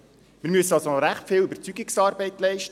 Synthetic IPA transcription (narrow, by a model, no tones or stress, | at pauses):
mɪːɾmyəsənɑlsonɔɾæχtfɪːlybəɾt͡syɡɪksɑːɾbɛɪtlɛɪʃtə